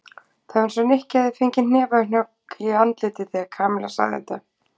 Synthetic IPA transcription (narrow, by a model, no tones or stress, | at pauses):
θansɛnɪhcːɛðɪfɪɲcɪnn̥ɛːvaɪn̥jɔkiant̪lɪːt̪ɪθɛakʰaːmɛlasa̰ɣðɪ̰ɛ̰t̪a